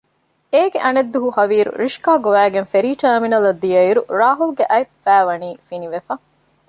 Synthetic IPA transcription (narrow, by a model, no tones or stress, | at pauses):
eːɡeʔɐned̪ːuɦuhɐʋiːɾṵɾiʃkaːɡoʋæːɡenfeɾiːʈɐːminɐlɐd̪ːijɐiɾuɾaːɦulɡeʔɐjfæːʋɐniːfiniʋefɐ